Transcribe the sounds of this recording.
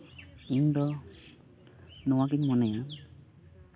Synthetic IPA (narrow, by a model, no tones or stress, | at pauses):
iɲd̪ɔ | nɔwaɡiɲmɔnɛja